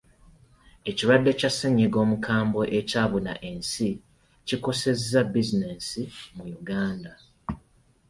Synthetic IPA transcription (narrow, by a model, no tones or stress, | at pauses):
e̞ciɾwadːe̞casːeɲːiɡo̞ːmukʰaːmbo̞ʔe̞caːβuna̰ʔe̞nsi | ciko̞se̞zːabizine̞simujuɡaːnda